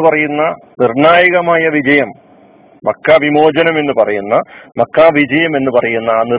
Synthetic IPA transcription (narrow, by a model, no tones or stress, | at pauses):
pɐrɐjunːɐnirɳaːjɐɣɐmaːjɐʋid͡ʑɐjɐmː | ɐkːaʋimo̞ːd͡ʑɐnɐme̞nːɨpɐrɐjunːɐmɐkːaːʋid͡ʑɐjɐme̞nːupɐrɐjunːɐːni